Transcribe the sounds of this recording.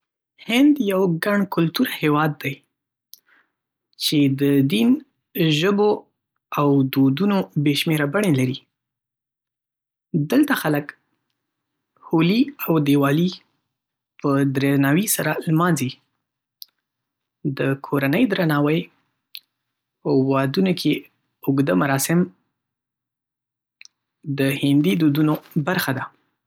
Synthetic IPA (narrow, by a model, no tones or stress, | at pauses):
hɪnd̪jawɡaɳkʊlt̪uɾahewɑd̪ːaj | t͡ʃed̪əd̪in | ʒəbo | awd̪od̪unobeʃmeɾabaɳelaɾi | d̪əlt̪axalək | holiawd̪ewɑli | pəd̪ɾenɑwisaɾalmɑnzi | d̪əkʰoɾanəjd̪ɾanɑwəj | pəwɑd̪unokʰe | ʊɡd̪əmaɾɑsɪm | d̪əhɪnd̪id̪od̪unobaɾxad̪a